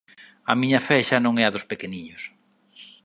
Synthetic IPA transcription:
ɐ̰miɲɐfɛʃɐnõŋɛɐðʊspekeniɲʊs

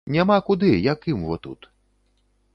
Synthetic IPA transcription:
nʲamakud̪ɨjakɨmvɔt̪ṵt̪

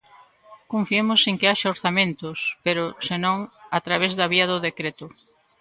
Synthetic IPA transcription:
kõɱfiemʊseŋkɪaʃaoɾθamẽnt̪ʊspeɾʊsenõŋat̪ɾaβ̞ezðɐβiɐðʊðekɾet̪ʊ

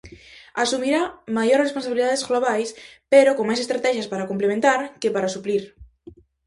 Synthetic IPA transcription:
asumiɾamajoɾresponsaβiliðaðezɣloβ̞ajspeɾokoŋmajsest̪ɾat̪ɛʃaspaɾakomplemẽnt̪aɾkepaɾasupliɾ

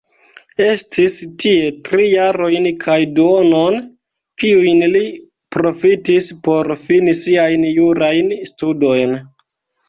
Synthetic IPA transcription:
e̞stʰistie̞tɾijaɾo̞jnkʰajduonon | kiujnli | pɾo̞fitispo̞ɾfinisiajnjuɾajnstudo̞jn

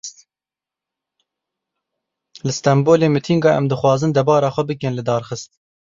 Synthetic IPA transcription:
lɨst̪ɛmboːleːmɨt̪ʰiŋɡɑːʔɛ̰md̪ɨxwɑːzɨnd̪ɛbɑːɾɑːxʷɛbɨkɛnlɨd̪ɑːɾxɨst̪̚

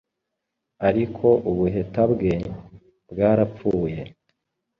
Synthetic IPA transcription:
aɾikʰo̞ʔuβuɦe̞tabɡe̞ | bɡaːɾap͡fuːje̞

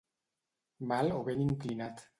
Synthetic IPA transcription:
baloɣeniŋklinat̪

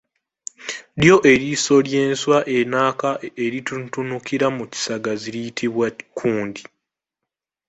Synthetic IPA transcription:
ɾjo̞ʔe̞ɾiːso̞lje̞ːnswaʔe̞naːkaeɾitutunukiɾamuci̥saɡaziɾijitʰiβwakʰuːndi

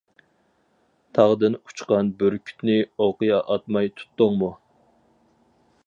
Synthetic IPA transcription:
t̪ʰɑʁd̪ɨnu̥t͡ʃqɑnbøɾkʲʰy̥t̪nɪoqɨjɑʔɑt̪mɑjt̪ʰu̥t̪ːoŋmu

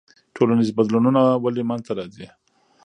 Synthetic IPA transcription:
ʈʰolanizbad̪lununawalemanzt̪aɾɑzi

